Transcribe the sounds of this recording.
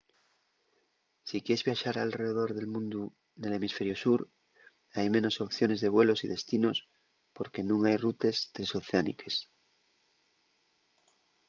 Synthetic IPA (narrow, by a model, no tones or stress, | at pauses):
sikjeezβjaʃaɾalre̞ðeðo̞ɾðe̞lmũnd̪u | ðe̞le̞misfe̞ɾjo̞suɾ | ajmẽ̞no̞so̞pθjo̞ne̞zðe̞β̞we̞lo̞siðe̞st̪ino̞s | po̞ɾke̞nũŋajrut̪e̞st̪ɾesoθeanḭke̞s